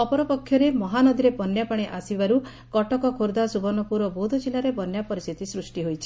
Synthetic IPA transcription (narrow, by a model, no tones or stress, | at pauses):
ɔpɔɾɔpɔkʰːjɔɾemɔɦanɔd̪iɾepɔnjapaɽ̃iʔasibaɾu | kɔʈɔkɔkʰoɾd̪asubɔnɔpuɾɔbod̪ʱɔd͡ʒilaɾebɔnjapɔɾist̪ʰit̪isɾusʈiɦojt͡ʃʰi̥